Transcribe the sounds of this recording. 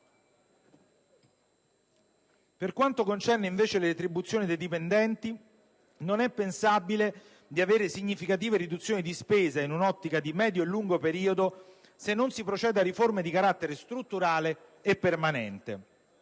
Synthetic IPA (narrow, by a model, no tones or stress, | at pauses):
perkwant̪okont͡ʃɛrneiɱveːt͡ʃeleɾet̪ɾibut̪sjoːnid̪ejd̪ipend̪ɛnt̪i | nonɛpːensabile | d̪iaveːɾesiɲːifikat̪̬iːveɾid̪ut̪sːjoːnid̪ispeːzainunɔt̪ːikad̪imɛːd̪joelːuŋɡopeɾiːod̪o | senːonsipɾot͡ʃɛːd̪aɾiformed̪ikaɾat̪ːeɾest̪ɾut̪ːuɾaːleːpːermanɛnt̪e